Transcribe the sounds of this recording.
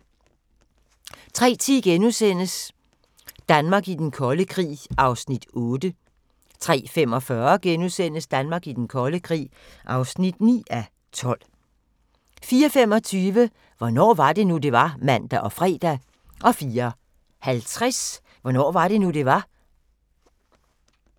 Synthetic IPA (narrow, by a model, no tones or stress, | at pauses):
t͡sʰʁɛ̰ːt͡sʰiɡ̥enusen̰əs | d̥ænmɑ̈ːɡid̥enkʰɒ̽ləkʰʁḭːʔɑ̈ʊsnid̥ɔ̽ːd̥ə | t͡sʰʁɛ̰ːfem̰ɒ̽fɶɐɡ̥enusen̰əsd̥ænmɑ̈ːɡ̥id̥enkʰɒ̽ləkʰʁḭː | ʔɑ̈ʊsnid̥nḭːæ | t͡sʰɒ̽l̰ | fiːɐfem̰ɒ̽t͡sʰyːʋə | ʋɒnɒ̰ːʋɑ̈d̥e̝nud̥e̝ʋɑ̈mæn̰d̥æʔɒ̽fʁɛ̰ːd̥æ | ʔɒ̽fiːɐ | hælt͡sʰʁas | ʋɒnɒ̰ːʋɑ̈ɾ̥e̝nud̥e̝ʋɑ̈